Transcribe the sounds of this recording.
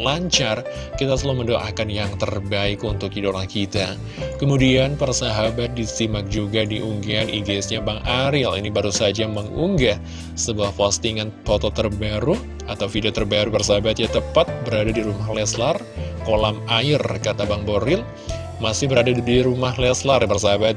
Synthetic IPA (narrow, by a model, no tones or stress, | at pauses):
laɲt͡ʃar | kit̪asəloməndoʔa̰kanjaŋt̪ərbaɪkunt̪ʊkidolahkit̪a | kəmudianpərsaɦabat̪̚disimak̚d͡ʒuɡadiʔuŋɡaanʔiɡlisɲabaŋaɾilḭnibaɾusad͡ʒaməŋuŋɡa | səbuahfɔst̪iŋanfot̪ot̪ərbaɾu | at̪awfidiat̪ərbaɾupərsaɦabat̪jat̪əpat̪̚bəɾadadiɾumahlɛslar | kolamaɪrkat̪abaŋboɾɪl | masɪhbəɾadadiɾumahlɛslarbərsaɦabat̪̚